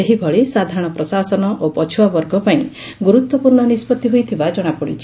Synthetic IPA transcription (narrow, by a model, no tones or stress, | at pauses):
eɦibʱɔɭisad̪ʱaɾɔɽ̃ɔpɾɔsasɔnɔʔopɔt͡ʃʰuwabɔɾɡʱɔpaĩ | ɡuɾut̪wɔpuɾɳɔnispɔt̪ːiɦojt̪ʰibad͡ʒɔɽ̃apɔɽḭt͡ʃʰi